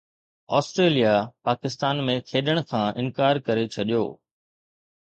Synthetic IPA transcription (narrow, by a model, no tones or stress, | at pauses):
ɔ̰ːsʈɾeːlijapaːkɪst̪aːnmẽkʰeːɗəɽ̃kʰãːʔɪ̃nkaːɾkɐɾet͡ɕʰɐɗijo̰ː